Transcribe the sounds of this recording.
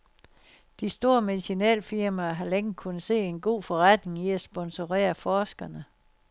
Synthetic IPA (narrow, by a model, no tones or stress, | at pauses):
d̥isd̥o̝̰ːɐme̝ðiɕinɛ̰ːlfiɐmæːɦɑ̈leŋ̩kʰun̩se̝̰ːe̝nɡ̥o̝̰ːfɒ̽ʁad̥ne̝ŋiæsb̥ɒ̽nso̝ʁɛ̰ːɐfɒːsɡ̥ɐnə